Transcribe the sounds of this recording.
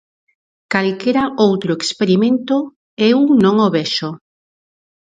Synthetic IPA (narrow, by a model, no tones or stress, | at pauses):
kalkeɾaowt̪ɾoekspeɾimẽnt̪o | ewnõŋoβɛʃo